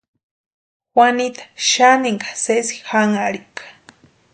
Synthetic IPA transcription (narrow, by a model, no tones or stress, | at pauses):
xwanit̪ḁʃaniŋɡḁsesi̥xaŋaɾikḁ